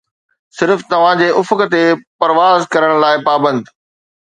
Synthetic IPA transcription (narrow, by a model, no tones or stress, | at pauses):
sɪɾft̪ɐʋ̤ãd͡ʑeːʔʊfkət̪epɐɾʋaːzkɐɾəɽ̃laːɪpaːbə̃nd̪